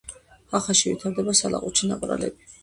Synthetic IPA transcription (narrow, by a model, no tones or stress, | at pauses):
aχaʃivḭt̪ʰaɾd̪ɛbasala̰qʼut͡ʃʰinapʼɾa̰lɛ̰bi